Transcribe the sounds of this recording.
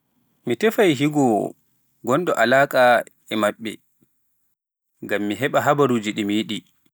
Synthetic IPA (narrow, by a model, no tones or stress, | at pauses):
mitɛfajɦiɡɔ | ɡɔndɔʔalaːkʼa | ɛmaɓːɛ̰ | ŋɡamːiɦɛɓaɦabaɾuːd͡ʒiɗimiɗi